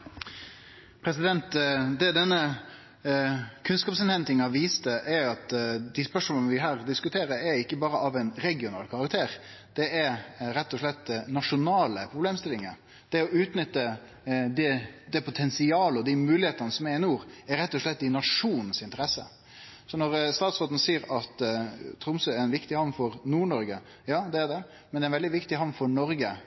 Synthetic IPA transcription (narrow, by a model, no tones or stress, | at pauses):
pʰɾɛsɪd̪ɛnt̪d̪ɛd̪ɛnːə | kʰʉnskɑːpsɛnhɛnt̪ɪŋɑʋiːst̪əʔɛɾɑt̪d̪ɪspœʂmɔlɔlnəʋɪɦæːɾd̪ɪskʉt̪ʰeːɾəɾɛɾɪkːəbɑːɾəʔɑʋɛɪnɾɛɡɪʊnɑ̰ːlkʰɑʁɑkt̪ʰeːɾ | d̪̥ɛʔɛɾɛt̪ːɔʂlɛt̪ːnɑʂʊnɑːləpʰɾʊbleːmst̪ɪlɪŋə | d̪̥ɛɔʉːt̪nʏt̪ːə | d̪ɛd̪ɛpʰʊt̪ʰɛnsɪɑːləɔd̪imʉːlɪheːt̪ənəsɔmɛɾɪnuːɾæɾɾɛt̪ːɔʂɭɛt̪̚d̪ɪnɑʂuːnən̩sɪnt̪əɾɛsə̰ | sɔnɔɾst̪ɑːt̪sʁoːt̪n̩əsiːəɾɑt̪t̪ʰɾʊmsœæɾɛɪnʋɪkt̪ɪhɑʋnfɔɾnuːɳɔɾɡə | jɑːd̪ɛːd̪ɛ | mɛnd̪ɛːnʋɛld̪ɪʋɪkt̪ɪɦɑmnfɔɳɔɾɡə